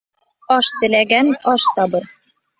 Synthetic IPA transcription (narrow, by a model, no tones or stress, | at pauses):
ɒʃt̪ɘ̆læɡænɒʃt̪ɒbɤɾ